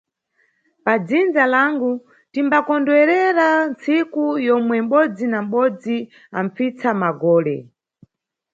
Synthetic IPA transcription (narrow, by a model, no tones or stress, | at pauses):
pad͡zind͡zalaŋɡu | timbakɔndwɛɾɛɾant͡sikujɔmwɛm̩ɓɔd͡zinam̩ɓɔd͡zi | a̰mfit͡samaɡɔːlɛ̰